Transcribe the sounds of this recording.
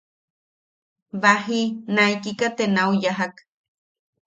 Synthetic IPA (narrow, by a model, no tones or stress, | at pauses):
βaɦinaijkikat̪enaujaɦak